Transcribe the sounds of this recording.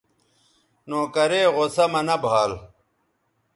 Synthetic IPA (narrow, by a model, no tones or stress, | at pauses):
nõːkɐɾeːʁosɐmɐnɐbʱaːl